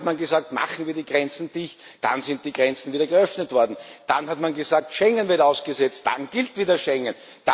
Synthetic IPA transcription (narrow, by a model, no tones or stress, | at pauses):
tmanɡəzaːk̚tma̰χn̩viːɐdiːɡʁɛnt͡sn̩d̥ɪçt | d̥a̰nzɪnt̚d̥iːɡʁɛnt͡sn̩viːdɐɡəœfnətv̥ɔɐdn̩d̥a̰nhatmanɡəzaːk̚tʃɛŋənvɪɐtaʊsɡ̥əzɛt͡st̚d̥a̰nɡɪltviːdɐʃɛŋən | d̥a